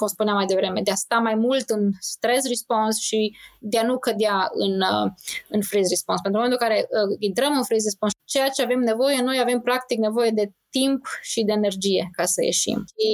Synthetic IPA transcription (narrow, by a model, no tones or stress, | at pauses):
kumspuneamːajd̪e̞vɾe̞me̞d̪east̪amajmult̪ɨnst̪ɾe̞s̬rispo̞nsʃid̪eanukəd̪eaɨ̰n | ɨnfɾizrisponspent̪ɾument̪ulkaɾe̞əint̪ɾəmɨnfɾizɾisponst͡ʃe̞jat͡ʃe̞ave̞mne̞vo̞jeno̞jave̞mpɾakt̪ikne̞vo̞je̞d̪e̞t̪impʃid̪e̞ːnerd͡ʒije̞kasəjḛʃḭm